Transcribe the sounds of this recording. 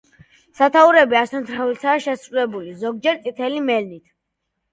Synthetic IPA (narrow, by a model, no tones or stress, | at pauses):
sat̪ʰauɾɛbiast̪ʰant̪ʰɾavilt̪ʰaːʃɛsɾulɛbulizɔɡ̚d͡ʒɛɾt̪sʼit̪ʰɛlimɛlnit̪ʰ